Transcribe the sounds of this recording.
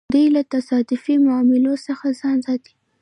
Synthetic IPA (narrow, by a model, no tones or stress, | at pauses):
d̪əjlat̪asɑd̪ɪfimʊɑmɪlosəxazɑnzɑt̪i̥